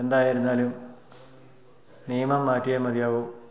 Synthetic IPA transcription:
end̪aːjiɾunːaːlum | nijɐmɐmːaːtːijɐmɐd̪ijaːʋoː

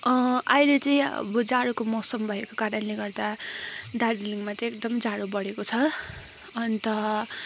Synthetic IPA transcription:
ajlet͡sʌĩʌ̰bʌd͡zaɽokomʌsʌmbʱʌekokaɾʌnleɡʌrd̪a | d̪adliŋmat͡sekd̪ʌmd͡zaɽobʌɽekot͡sʰʌː | nt̪ʌ

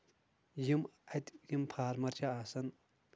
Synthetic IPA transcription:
jimɐt̪jimpʰaːɾmɐɾt͡ʃʰaaːsɐn

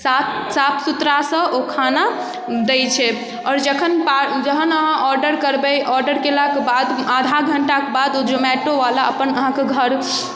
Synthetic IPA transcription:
sat̪sat̪ʰsut̪ɾasə̃ʔokʰana | d̪ɛt͡ʃʰɛ | ɔːɾd͡ʒəkʰənpad͡ʒəɦənəɦãʔɔɾɖəɾkəɾbɛjʔɔɾɖəɾkelakebad̪ad̪ʱaɡʱəɳʈakebad̪od͡ʒomɛʈoʋalaəpənəɦãkeɡʱəɾ

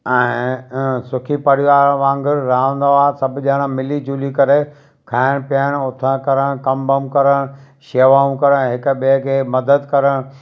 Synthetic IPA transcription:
ɛ̃ːsʊkʰipɐɽ̤iaːʋãːŋɡɪɾːaːə̃n̆d̪oaːsɐbʱʄaɽ̃ãmɪlid͡ʑuːlikɐɾe | kʰaːɪɽ̃pijəɽ̃ʊt̪ʰə̃kɐɾəɽ̃kɐ̃mbəmkɐɾəɽ̃ | ʃeːʋaːũkɐɾəɽ̃ɦɪkɓekʰeːmɐd̪əd̪kɐɾəɽ̃

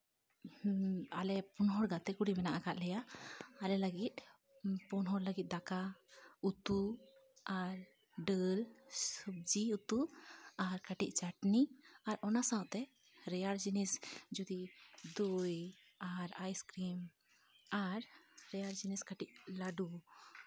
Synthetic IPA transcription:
a̰lɛpɔnɦɔɾɡat̪ɛkuɽibɛnaʔakaʔ̪lɛjaːlɛləɡit̪̚ | pɔnɦɔɾləɡit̪̚d̪akaut̪u | aɾ | ɖəlsub̚d͡ʒiut̪uaɾkaʈiʔ̚t͡ʃaʈniaɾɔnasawʔt̪ɛ | ɾɛjaɾd͡ʒinisd͡ʒud̪id̪uj | aɾajskɾim | aɾɾɛjaɾd͡ʒiniskaʈiʔlaɖu

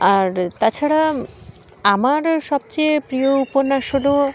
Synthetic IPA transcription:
aɾt̪at͡ɕʰaɽa | amaɾʃɔb̚t͡ɕejpɾijouponaʃod̪o

